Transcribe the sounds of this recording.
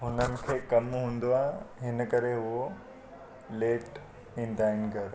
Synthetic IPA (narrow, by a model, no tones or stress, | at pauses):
ɦʊnənɪ̆kʰeːkɐmɦũːnd̪oaːɦẽɦɪnəkɐɾeɦʊɦo | leːʈ | ĩn̆d̪aːɪn̆kɐɾ